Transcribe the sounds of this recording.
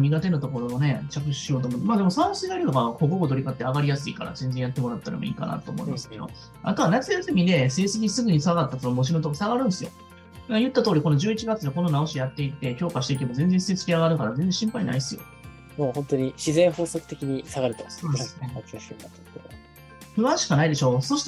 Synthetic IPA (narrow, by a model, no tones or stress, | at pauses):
m̟ʲiɡat̪e̞no̞t̪o̞ko̞ɾo̞ɡ̪one̞t͡ɕakɯ̟ɕijo̞ːt̪omomaːd̪e̞mo̞sãsɨɡaiɾɯnoɡakʰo̞ɡoɡo̞d̪o̞ɾʲikat̪ːe̞aɡaɾʲijasɨikaɾa̰zenzẽjat̪ːe̞mo̞ɾat̪ːaɾemoḭːka̰na̰t̪o̞̰ːmo̞ḭmasɨ̥ke̞d̪o̰ | a̰t̪anat͡sɨɡesemʲid̪e̞se̞ːsɨkʲisɨɡɯ̟ɲ̟isaɡat̪ːasonomo̞ɕ̬imɯt̪oɡasaɡaɾɯ̟̃ñesɨjo̞̰ | ajɯ̟t̪ːat̪o̞ːɾʲiko̞no̞d͡ʑɨːit͡ɕiɡat͡sɨɡako̞nonao̞ɕijat̪ːe̞it̪ːe̞kʲo̞ːkaɕi̥t̪eik̬e̞bozẽ̞nd͡zẽ̞sest͡sɨ̥kʲiaɡaɾɯ̟kaɾaze̞nd͡zẽɕĩmpaina̰id̪sɨjo̞̰ | moːhont̪oɲ̟iɕizaiho̞ːsokɯ̥t̪e̞kʲiɲ̟isaɡaɾɯ̟t̪oosaoɕid̪at̪ːo̥t̪ea | ɸɯ̟βãɕi̥kanaid̪e̞ɕo̞ːso̞ɕi̥t̪e